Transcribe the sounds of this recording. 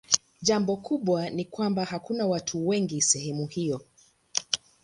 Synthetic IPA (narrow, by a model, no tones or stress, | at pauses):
ʄambɔkuɓwanikwambahakunawatʰuwɛŋɡisɛɦɛmuhijɔ